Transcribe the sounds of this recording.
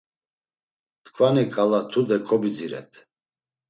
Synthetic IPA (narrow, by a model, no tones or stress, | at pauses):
t̪kʰvanikʼalat̪ʰud̪ɛkʰɔbid͡ziɾɛ̰t̪ʰ